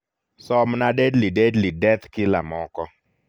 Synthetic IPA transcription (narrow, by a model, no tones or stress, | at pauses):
sɔmnadedlidedlidɛt̪kɪla̰mɔkɔ